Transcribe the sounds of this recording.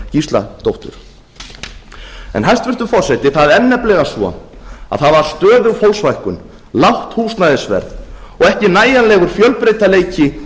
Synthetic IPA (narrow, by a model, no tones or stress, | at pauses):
cist̪la̰t̪owht̪ʏ̰ɾ̥ | ɛ̰nɦajst̪vɪr̥t̪ʏfɔr̥sɛt̪ɪθaðɛnːɛplɛɣasvɔ̰a̰ðθaðvaɾ̥st̪œːðʏfowlsvajhkʏn | lawht̪huːsnaðɪsvɛ̰ɾðɔɣɛhcɪnaːjanlɛːɣʏɾ̥fjœlpɾejt̪aleːjcɪ